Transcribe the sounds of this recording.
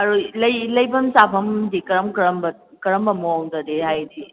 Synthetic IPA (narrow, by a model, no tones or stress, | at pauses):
ɐɾulɐjlɐjbɐmsapʰɐmdikɐɾɐmkɾɐmbɐ | kɐɾɐmbɐmŋdɐdehajdi